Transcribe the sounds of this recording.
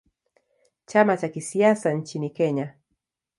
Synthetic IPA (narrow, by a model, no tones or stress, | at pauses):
t͡ʃamat͡ʃakisiasant͡ʃinikɛɲa